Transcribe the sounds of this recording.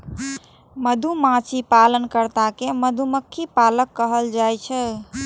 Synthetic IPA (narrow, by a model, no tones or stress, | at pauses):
məd̪ʱumãt͡ʃʰipalənkəɾt̪akeməd̪ʱuməkʰːipaləkːəɦəld͡ʒajt͡ʃʰɛ